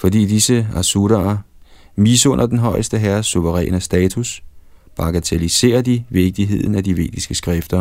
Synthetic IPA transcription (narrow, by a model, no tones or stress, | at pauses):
fɒ̽dḭːd̥isəæsuɾ̥ɐ | miːsɔ̽n̰ʔɐd̥enɦɒ̽ɪ̰əsd̥əɦæɐsːuʋəʁɛ̰ːnəsd̥ɛːt͡sʰusb̥ɑ̈ɡ̥æt͡sʰelise̝̰ːɐd̥iʋe̝ɡ̥̚d̥iɦe̝ð̞̰ˠn̩æd̥iʋe̝̰ːd̥isɡ̥əsɡ̥ʁɛfd̥ɐ